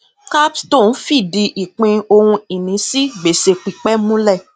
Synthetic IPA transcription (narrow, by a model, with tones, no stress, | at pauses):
ka˦pstõ˦˨n̩˦fi˦˨di˧ʔi˨k͡pĩ˧o˧hũ˧i˨nĩ˨˦si˦ɡ͡be˨se˧k͡pi˨k͡pɛ˦mũ˦lɛ˦˨